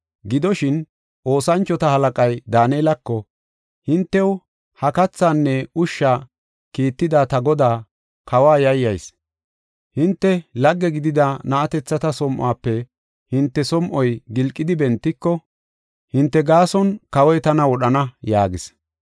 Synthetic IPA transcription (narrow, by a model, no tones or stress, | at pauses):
ɡɪd̪ɔʃɪn | ʔo̞ːsɐnt͡ʃːɔt̪ɐhɐlɐkʼɐjd̪aːneːlɐkːɔ | hɪnt̪ːɛw | hɐkɐt͡sːaːnːɛʊʃːaː | kiːt̪ːɪd̪aːt̪ɐɡɔd̪aː | kɐwaːjɐjːɐjs | hɪnt̪ːɛlɐɡːɛɡɪd̪ɪd̪ɐnɐʔɐt̪ɛt͡sːɐt̪ɐsɔmʔaːpːɛ | hɪnt̪ːɛsɔmʔɔjɡɪlkʼːɪd̪ɪbɛnt̪ːɪkːɔ | hɪnt̪ːɛɡaːsɔnkɐwɔjt̪ɐnɐwɔɗɐnɐjaːɡɪs